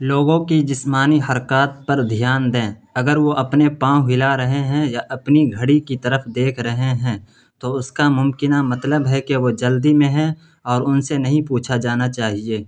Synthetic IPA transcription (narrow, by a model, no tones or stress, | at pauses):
loːɡõkid͡ʒɪsmaːniɦɐɾkaːt̪̚pɐɾd̪ʱijaːnd̪ẽːɐɡəɾʋoʔɐpnepãːɦɪlaɾɐɦeɦɛ̃jaʔɐpniɡʱɐɽikit̪əɾəfd̪eːkʰɾɐɦeɦɛ̃ | t̪oʊskamʊmkɪnamɐt̪ləbɦɛkeʋod͡ʒɐld̪imẽɦɛ̃ | ɔːɾʊnsenɐɦĩpuːt͡ʃʰad͡ʒaːnat͡ʃaːɦieː